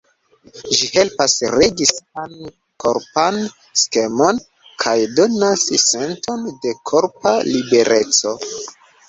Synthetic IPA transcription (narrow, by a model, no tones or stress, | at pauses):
ʒihe̞lpasɾeɡisan | kʰoɾpan | ske̞mo̞n | kʰajdo̞nasse̞nto̞nde̞kʰoɾpalibe̞ɾʔet͡so̞